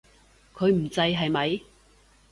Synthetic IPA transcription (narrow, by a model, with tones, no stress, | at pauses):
kʰɵ˨˧ɥm̩˨˩t͡sɐ˧jɦɐ˨jmɐ˨j